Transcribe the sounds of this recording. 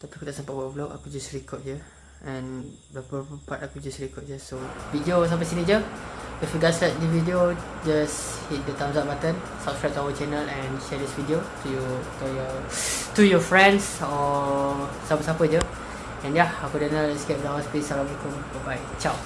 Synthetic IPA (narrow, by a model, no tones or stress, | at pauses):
t̪ɔpikudɛʔsãmpɔbɔbloa̰kud͡ʒasɹikʰɔt̚jə | ɛ̃n | dəpɔpə̃patakud͡ʒasɹikɔt̚d͡ʒəsovidios̬ap̬əsined͡ʒəifjuɡɔtsɛt̚dividiod͡ʒashit̚dətãmsat̚batə̃n | sap̚skɹaɪp̚tuawət͡ʃɛnəlɛ̃nʃɛdisvidiotujutujɔ | t̪ujɔfɹɛ̃nsɔ | sapəsapəd͡ʒə | ɛ̃njaakudɛnalɛskɛp̚dəhaspisaɾãmikumbɔbaj | t͡ʃaw